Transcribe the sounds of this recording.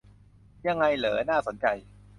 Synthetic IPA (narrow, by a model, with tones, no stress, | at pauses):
ja˧ŋːa˧jlɤː˩˦naː˥˩so˩˦nt͡ɕa˧j